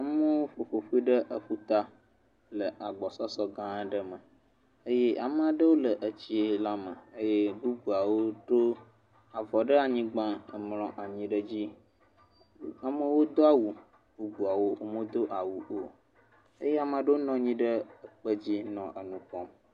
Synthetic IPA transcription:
a˨mə˦wo˦fo˨fo˨ɸu˦i˦ɖə˦ʔə˨ɸu˦t̪a˦ | lə˨ʔa˨ɡ͡bɔ˨sɔ˦sɔ˦ɡã˦ɖə˦mə˨ | ə˦je˦ʔa˨m˨a˨ɖə˦wo˦lə˨ʔə˨t͡ɕi˦e˨la˦mə˨ə˦je˦bu˦bu˨a˨wo˦ɖo˦ | a˨vɔ˨ɖə˦a˨ɲĩ˦ɡ͡bã˦ə˨mlɔ̃˨ʔa˨ɲĩ˦ɖə˦d͡ʑi˦ | a˨mə˦wo˦d̪o˦a˦wu˨ | bu˦bu˨a˨wo˦wo˦mə̃˦d̪o˦ʔa˨wu˨ʔo˨ | ə˦je˦a˨mə̃˨a˨ɖə˦wo˦nɔ̃˨˦ɲĩ˦ɖə˦ə˨k͡pə˦d͡ʑi˦nɔ̃˨ʔə˨nũ˨kɔ˦m

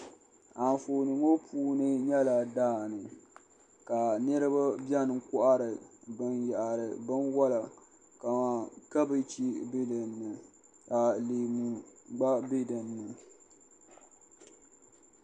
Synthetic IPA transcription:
a˨n˨foː˨nɨ˨ŋo˦pʰuː˦nɨ˦ɲɛ˦la˨daː˦˨nɨ˨ | ka˨nɨ˦ɾɨ˦ba˦bjɛ˦nɨ˨ŋ˦kʊ˦ʔa˦ɾɨ˨bɨ˦nja˨ʔa˨ɾɨ˨bɨ˦nwɔ˦la˨ | ka˨maː˨ka˦bɨ˦t͡ʃi˦be˦dɨ˨nːɨ˨ | a˨leː˨mu˨ɡ͡ba˦be˦dɨ˨nːɨ˨

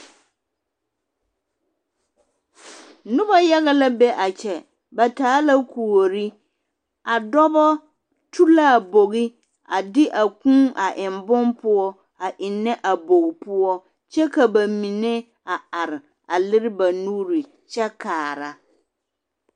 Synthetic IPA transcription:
nʊ˦ba˦ja˦ɣa˦la˦bɛ˦ʔa˨t͡ʃɛ˨ | ba˨taː˨˦la˦kʰu˨o˨ɾi˦ | a˨dɔ˦bɔ˦ | tʰu˦la˦˨bo˨ɣi˦ | a˨dɪ˦ʔa˨kũ˦ʔa˨ʔɪ˨mbʊ˦mpʊ˦ɔ˦ | a˨ʔɪ˨nːɛ˦ʔa˨bo˨ɣpʊ˦ɔ˦ | t͡ʃɛ˦ka˨ba˨mi˨ne˦ | a˨a˨ɾɪ˨ | a˨lɪ˦ɾɪ˦ba˨nuː˦ɾi˨ | t͡ʃɛ˦kaː˨ɾa˦

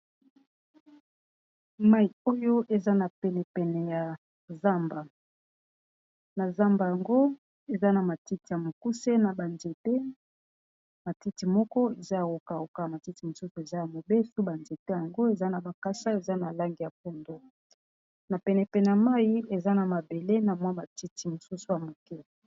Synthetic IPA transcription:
ma˦i˨o˦jo˦ʔe˨za˦na˨pɛ˨nɛ˨pɛ˨nɛ˨ja˨ | za˦mba˨ | na˨za˦mba˨ja˨ŋɡo˦ | e˨za˦na˨ma˨ti˦ti˨ja˨mo˨ku˦se˦na˨ba˨nde˨te˦ | ma˨ti˦ti˨mɔ˦kɔ˦e˨za˦ja˨o˨ka˨o˨ka˨ma˨ti˦ti˨mo˨su˦su˨e˨za˦ja˨mo˨be˦su˦ba˨nde˨te˦ja˨ŋɡo˦e˨za˦na˨ba˨ka˦sa˦e˨za˦na˨la˦ŋɡi˨ja˨p̚o˨ndo˦ | na˨pɛ˨nɛ˨pɛ˨nɛ˨ja˨ma˦ji˦e˨za˦na˨ma˨be˨le˦na˨mwa˦ma˨ti˦ti˨mo˨su˦su˨ja˨mo˨ke˦˨

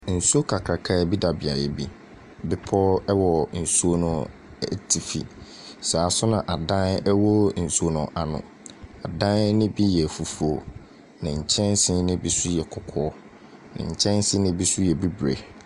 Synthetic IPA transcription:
n̩˨su˦o˦kʰa˨kʰɾa˨kʰa˦˨bi˦da˨bɪ˨a˨jɛ˨bi˦ | bɪ˨pʰɔ˦ɛ˦wɔ˨n̩˨su˦o˦nʊ̃˨ | ɛ˦tʰi˨fḭ˨ | saː˨sʊ˦nã˨ʔa˨dã˦nɛ˦wɔ˦n̩˨su˨˦o˨nʊ̃˨ʔa˨nʊ̰̃˨ | a˨dã˦nnɪ̃˦bi˦jɛ˨fu˨fu˨o˨ | nã˨ɲ̩˨t͡ɕʰɛ̃˦n˦sɪ̃˦nɪ̃˦bi˦su˦jɛ˨kʰʊ˨kʰɔ˦ | nɪ̰̃˨ɲ̩˨t͡ɕʰɛ̃˦n˦sɪ˦nɪ̃˦bi˦su˦jɛ˨bi˦bɾe˨

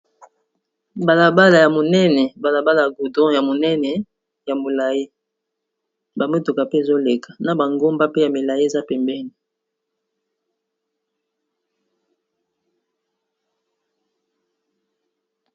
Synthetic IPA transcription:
ba˨la˨ba˦la˨ja˨mo˨nɛ˦nɛ˨ba˨la˨ba˦la˨ja˨ɡu˨dɔ̃˦ja˨mo˨nɛ˦nɛ˨ | ja˨mo˨la˨je˦ | ba˨me˦to˨ka˨pe˦˨zo˦le˨kʰḁ˨na˨ba˨ŋɡo˦mba˦pe˦ja˨me˨la˨je˦e˨za˦pɛ˨mbɛ˦ni˨

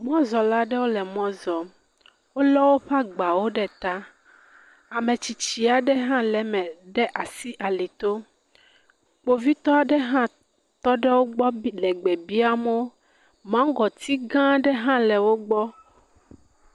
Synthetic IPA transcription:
mɔ̃˦zɔ˨la˦ɖɛ˦wo˦lɛ˨mɔ̃˦zɔ˨ | wo˦lɔ˦wo˦ɸa˦ɡ͡ba˨wo˦ɖɛ˦t̪a˦ | a˨mɛ̃˨t͡ɕi˨t͡ɕi˨a˨ɖɛ˦ɦã˦lɛ˨mɛ̃˨ɖɛ˦ʔa˨si˦ʔa˨li˨t̪o˦ | k͡po˨vi˦t̪ɔ˦a˨ɖɛ˦ɦã˦ | t̪ɔ˦ɖɛ˦wo˦ɡ͡bɔ˦lɛ˨ɡ͡bɛ˨bi˦a˦mo˦o˦ | mã˦ɡɔ˨t̪ʰi˦ɡã˦ɖɛ˦ɦã˦lɛ˨wo˦ɡ͡bɔ˦

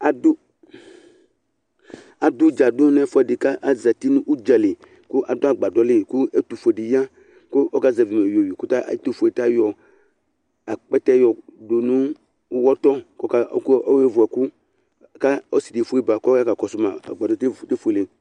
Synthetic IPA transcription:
a˨dʊ˦ | a˨dʊ˦d͡ʒa˨dʊ˦nɛ˦fʊ˦ɛ˨dɪ˨ka˦ʔa˨za˨ti˦nũ˦ʔu˦d͡ʒa˨lɪ˨ | kʊ˦ʔa˨dʊ˦a˨ɡ͡ba˨dɔ˦lɪ˦kʊ˦e˦tu˨fo˨dɪ˨ja˦ | kʊ˦ɔ˦ka˦˨za˨vi˨mɛ˨jo˨wi˨ku˦ta̰˦˨˦tu˨fo˨e˨ta˦jɔ˨ | a˨k͡pɛ˦tɛ˦jɔ˨do˨nũ˦ | wɔ˦tɔ˦kɔ˦ka˦kɔ˦we˦vʊ˨ɛ˨ku˦ | ka˦ɔ˦si˨di˨fu˦i˦ba˨kɔ˦ka˦ka˨kɔ˨sʊ˦ma̰˨a̰˨ɡ͡ba˨dɔ˨˦tte˦fe˨lɪ˨

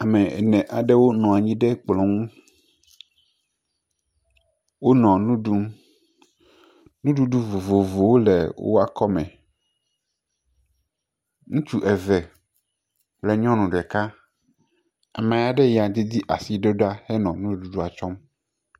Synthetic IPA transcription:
a˨mɛ˨ɛ̰˨nɛ̃˨ʔa˨ɖɛ˦wo˦nɔ̃˨a˨ɲĩ˦ɖɛ˦k͡plɔ̃˨ŋũ˦ | wo˦nɔ̃˨nũ˦ɖu˦ | nũ˦ɖu˦ɖu˦vo˨vo˨vo˨wo˦lɛ˨wo̰˦a˦kɔ˦mɛ̰̃˨ | ŋũ˦t͡ʃu˦ʔɛ˨vɛ˨ | plɛ˨ɲɔ̃˦nũ˨ɖɛ˨ka˦ | a̰˨mɛ̃˨ja˨ɖɛ˦ja˨d̪i˦d̪i˦ʔa̰˨si˨ɖe˦ɖo˦a˦hɛ˦nɔ̃˨nũ˦ɖu˦ɖu˦a˨t͡ʃɔ˦m

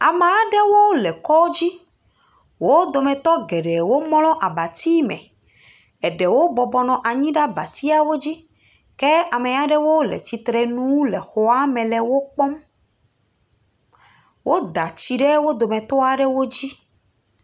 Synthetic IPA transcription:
a˨me˨a˦ɖɛ˦wo˦lɛ˨kɔ˦d͡ʑi˦ | wo˦d̪o˨mɛ̃˨t̪ɔ˦ɡɛ˨ɖɛ˨wo˦mɔ̃˦lɔ̃˦ʔa˨ba˨t̪i˦mɛ̰̃˨ | ɛ˨ɖɛ˨wo˦bɔ˨bɔ˨nɔ̃˨ʔa˨ɲĩ˦ɖa˦ba˨t̪i˦a˨wo˦d͡ʑi˦ | kɛ˦a˨mẽ˨a˨ɖɛ˦wo˦lɛ̰˨t͡ɕi˨t̪ɾɛ˨nũ˦wu˦lɛ˨xo˨a˦mɛ̃˨lɛ˨wo˦k͡pɔ˦m | wʔo˦d̪a˨t͡ɕi˨ɖɛ˦wo˦d̪o˨mɛ̃˨t̪ɔ˦a˨ɖɛ˦wo˦d͡ʑi˦

